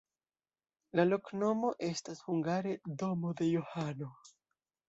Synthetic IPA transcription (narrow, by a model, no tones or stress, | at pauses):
lalo̞kno̞mo̞ʔe̞stashuŋɡaɾe̞do̞mo̞de̞johano̞